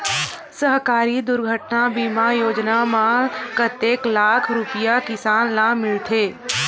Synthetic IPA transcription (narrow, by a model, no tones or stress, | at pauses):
səɦkaːɾid̪ʊɾɡʱəʈnabiːmajoːd͡ʒnamãkət̪eːklaːkʰɾʊpijakɪsaːnlamɪɭt̪ʰeː